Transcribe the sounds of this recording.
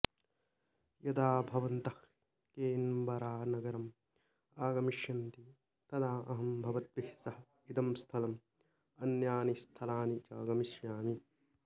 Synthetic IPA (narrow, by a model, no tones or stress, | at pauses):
jɐd̪aːbʱɐʋɐnt̪ɐh | keːnbɐɾaːnɐɡɐɾɐm | aːɡɐmiʃjɐnt̪i | t̪ɐd̪aːʔɐɦɐmbʱɐʋɐt̪ʋihsɐɦɐ | it̪ɐmst̪ʰɐlɐm | ɐnjaːnist̪ʰɐlaːnit͡ʃɐːɡɐmiʃjaːmi